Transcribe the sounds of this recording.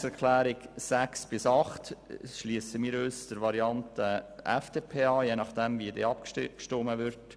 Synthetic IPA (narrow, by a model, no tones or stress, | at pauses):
sɛɾkʰlæːɾɪɡsæksb̥ɪsɑχtʃliəsəmiːɾøːsd̥əɾʋɑɾiɑntəʔæfd̥eːpʰeːɑːjeːnɑχd̥ɛmvidɛːɑpkkʃtoməʋɪɾt